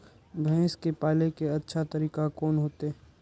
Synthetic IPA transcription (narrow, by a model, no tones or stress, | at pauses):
bʱɛ̃ːskepaːlekeɐtːʃʰat̪əɾiːkakoːnɦoːt̪e